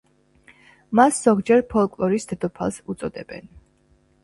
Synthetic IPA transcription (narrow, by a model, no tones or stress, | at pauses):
masz̥ɔɡd͡ʒɛɾpʰɔlˠkʼlˠɔɾisd̪ɛd̪ɔpʰalˠsut̪sʼɔd̪ɛb̥ɛ̰n